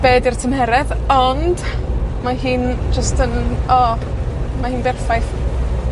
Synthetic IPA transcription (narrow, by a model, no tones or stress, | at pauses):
b̥eːdirtʰəmɦɛɾɛðɔnd̥maɦɨːnd͡ʒəstʰənɔ | mahɨːnbɛrfajθ